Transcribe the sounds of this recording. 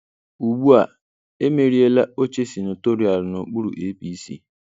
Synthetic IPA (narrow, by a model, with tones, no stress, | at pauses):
u˨ɡ͡bu˦a˨ | e˦me˨ɾi˦e˦la˦o˦t͡ʃe˦si˨nʊ˨to˦ɾi˨a˨lʊ˨no˨k͡pu˦ɾṵ˨ʔe˦pi˦sḭ˦